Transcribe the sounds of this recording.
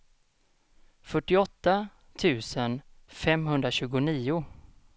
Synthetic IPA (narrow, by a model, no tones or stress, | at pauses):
fœʈːɪɔt̪ːa | t̪ʰʉ̟ːsənfɛmɦɵnd̪ɾaɕʉ̟ːɡʊniːʊ